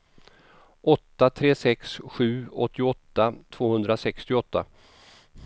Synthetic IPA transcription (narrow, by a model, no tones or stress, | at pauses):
ʔɔt̪ːat̪ʰɾeːsɛksɧʉ̟ːɔt̪ːɪɔt̪ːat̪ʰv̥oːhɵnd̪ɾasɛkst̪ɪɔt̪ːa̰